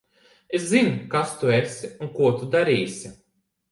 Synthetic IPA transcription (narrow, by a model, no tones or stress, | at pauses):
eszinkast̪uesʲiunkuɔt̪ud̪aɾiːsʲi